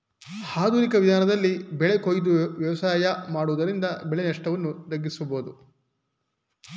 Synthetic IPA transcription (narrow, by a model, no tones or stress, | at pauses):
haːd̪uːɾikɐʋid̪ʱaːnɐd̪ɐlːibɛɭekojd̪uʋjɐʋɐsaːjɐmaːɽuʋud̪ɐɾind̪ɐbɛɭenɐʂʈɐʋɐnːud̪ɐɡːisuboːd̪u